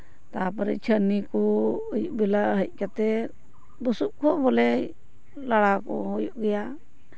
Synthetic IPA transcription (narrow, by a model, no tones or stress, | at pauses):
t̪apəɾɛ̰t͡ʃʰənikɔəjuʔbɛlaɦəc̚ˀkat̪ɛ | bəsuʔkɔbɔlɛ | laɽakɔ̰ɦɔjuʔɡɛja